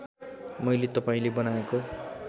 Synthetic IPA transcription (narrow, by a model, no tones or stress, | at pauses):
mʌjlet̪ʌpaĩlebʌnaeko